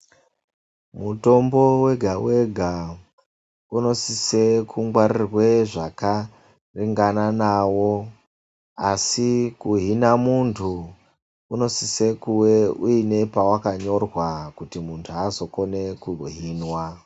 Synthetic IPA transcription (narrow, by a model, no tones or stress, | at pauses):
muto̞mbo̞we̞ɡʱawe̞ɡʱa | uno̞sisekʰuŋɡwaɾirwe̞ʐaka | riŋɡananawo | asikuɦinamuntʰu | uno̞sise̞kuweuine̞pawakaɲo̞rwakutimuntʰuazo̞ko̞ne̞kuɦiːnwa